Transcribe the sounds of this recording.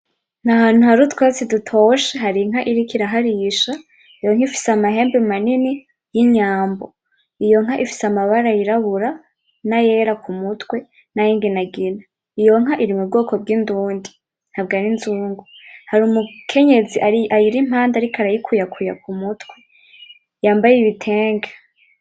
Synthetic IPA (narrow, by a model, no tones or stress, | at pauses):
nahaːn̥uɦaɾutwesidutʰoʃeɦaɾiŋ̥ɦaʔiɾikiɾaɦaɾiʃa | ijoŋ̥ifi̥samaɦe̞ːmbemanini | jiɲaːmbo̰ | ijo̞ŋ̥ɦaʔifi̥samaβaɾajiɾaβuɾa | naje̞ɾakumutwe̞ | najiːŋɡinaɡina | ijo̞ŋ̥ɦaʔiɾimub̚ɡoːko̞b̚ɡinduːndi | n̥habɡaɾinzuːŋɡuhaɾumukʰe̞ɲe̞ziʔaʔajiɾim̥haːndaɾikaɾajikʰujakʰuja̰k̚umutwe | jaːmbajiβitʰe̞ːŋɡḁ